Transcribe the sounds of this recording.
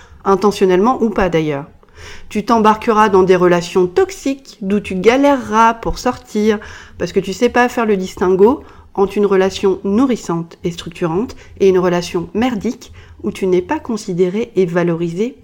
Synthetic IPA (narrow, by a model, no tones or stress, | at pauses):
ɛ̃t̪ɑ̃sjɔnɛlmɑ̃ʔupad̪ajœːʁ | t̪yt̪ɑ̃baʁkəʁad̪ɑ̃d̪eʁəlasjɔ̃t̪ɔksikd̪ut̪yɡalɛʁːapuʁsɔʁt̪ʰiʁpaʁsə̥kət̪ysɛpafɛʁləd̪ist̪ɛ̃ɡo | ɑ̃t̪ynʁəlasjɔ̃nuʁisɑ̃t̪est̪χyk̚t̪yʁɑ̃t̪ | eynʁəlasjɔ̃mɛʁd̪ik | ut̪ʰynɛpakɔ̃sid̪eʁeʔːvalɔʁize